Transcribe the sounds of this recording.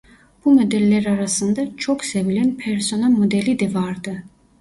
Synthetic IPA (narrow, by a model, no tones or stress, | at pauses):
b̥umod̪elːæɾɑɾɑsɯnd̪ɑt͡ʃʰoχsevilænpʰeɾso̞nɑlˠmod̪elid̪ɛvɑɾd̪ɯ